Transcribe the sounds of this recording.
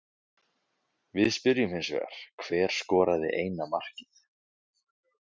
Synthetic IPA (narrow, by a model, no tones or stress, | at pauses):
vɪðspʏɾjʏmhɪnsvɛ̰ːɣa̰ɾ̥kʰvɛːɾ̥skɔːɾaðɪ̰ʔeːjnamar̥cɪθ